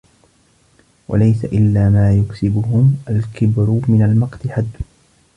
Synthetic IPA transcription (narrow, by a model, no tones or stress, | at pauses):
wa̰lajsaʔɪlːaːmaːjʊksɪbʊɦʊmʔalkɪbɾʊmɪnalmɑqt̪ɪħad̪ː